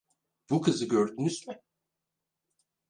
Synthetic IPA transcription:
b̥ukʰɯzɯɟø̞ɾd̪ynyzmɪ

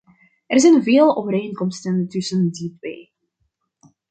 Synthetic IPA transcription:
ʔɛrzɛjnveːlˠo̰ːvəɾeːŋkɔmstəntɵsənditʋeː

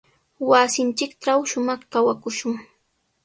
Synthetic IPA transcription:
wasɪnt͡ʃɪkʈ͡ʂawʃʊmɑχkawakʊʃʊŋ

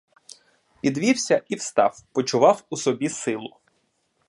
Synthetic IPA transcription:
pʲid̪ʋʲiwsʲɐʔiwst̪ɑwpɔt͡ʃʊʋɑwusɔbʲisɪlˠʊ

